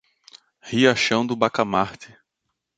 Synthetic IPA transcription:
hiaʃɐ̃w̃d̪ʊbakamaɾt̪ɪ

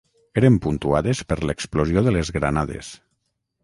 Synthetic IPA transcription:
eɾempunt̪uaðespəɾleksplozijoðəlezɣɾa̰naðḛs

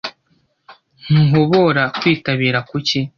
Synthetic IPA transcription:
n̥uɦo̞βo̞ɾakwiːtaβiːɾakuci

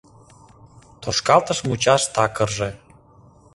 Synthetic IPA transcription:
t̪oʃkɑlt̪əʃmut͡ɕɑʃt̪ɑkərʒĕ

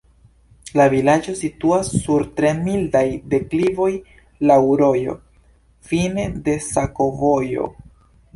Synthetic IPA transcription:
lavilad͡ʒo̞situasːuɾtɾe̞mildajde̞klivo̞j | lawɾo̞jo̞̰ | fine̞de̞sako̞vo̞jo̞̰

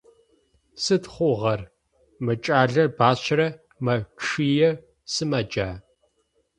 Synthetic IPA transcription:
sɨtχʷʊʁɐr | mɨt͡ʃʼaːɮɐbaːɕrɐ | mɐʂiːjɛ | sɨmɐd͡ʒaː

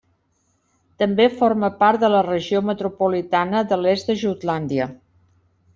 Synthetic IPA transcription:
t̪əmbefoɾməpaɾt̪̚d̪ələrəʒiomət̪ɾupulit̪anəðəlezd̪əʒut̪land̪iə

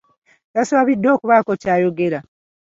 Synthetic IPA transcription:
tasaβidːo̞ːkuβaːko̞caːjo̞ɡe̞ɾa

